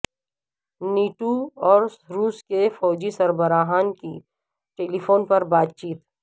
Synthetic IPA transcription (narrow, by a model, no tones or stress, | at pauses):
niːʈuɔːɾɾuːskefɔːd͡ʒisɐɾbəɾaːɦaːnki | ʈeːlifʰoːnpɐɾbaːt̪̚t͡ʃiːt̪